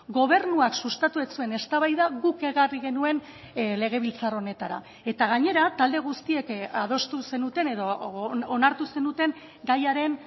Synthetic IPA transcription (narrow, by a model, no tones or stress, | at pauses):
ɡo̞βe̞ɾnuaksust̪at̪ue̞t͡sue̞ne̞st̪aβajðaɣuke̞ɣariɣe̞nue̞n | le̞ɣ̞e̞β̞ilt͡saro̞ne̞t̪aɾa̰ | e̞t̪aɣ̞aɲe̞ɾat̪ald̪e̞ɣ̞ust̪ie̞kaðo̞st̪use̞nut̪e̞ne̞ðo̞ːnaɾt̪use̞nut̪e̞ŋ | ɡajaɾe̞n